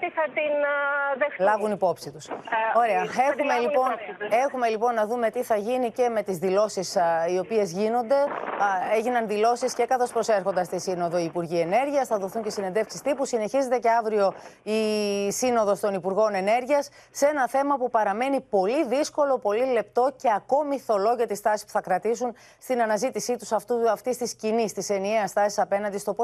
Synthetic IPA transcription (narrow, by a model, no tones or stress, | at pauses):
t̪iθɐt̪inðelɐvunipo̞psit̪uso̞ɾe̞ɐexumelipone̞xume̞lipo̞nːɐðume̞t̪iθɐʝinice̞me̞t̪izðilo̞sisio̞pie̞zʝino̞nd̪e̞eʝinɐnðilo̞sisce̞kɐθo̞spɾo̞se̞ɾxo̞nd̪ɐst̪isino̞ðo̞iːpuɾʝie̞ne̞ɾʝiɐsθɐðo̞θuɲce̞sine̞nd̪e̞fksist̪ipusine̞çize̞t̪e̞ceɐvɾio̞isino̞ðo̞st̪o̞nipuɾɣo̞ne̞ne̞ɾʝiɐsːee̞nɐθe̞mɐpupɐɾɐme̞nipo̞liðisko̞lo̞po̞lile̞pt̪o̞ce̞ɐko̞miθo̞lo̞ʝɐt̪ist̪ɐsi̥spu̥θɐkɾɐt̪isun | st̪inɐnɐzit̪isit̪u̥sɐft̪uɐft̪ist̪iscinist̪ise̞nieɐst̪ɐsi̥sɐpe̞nɐnd̪ist̪o̞po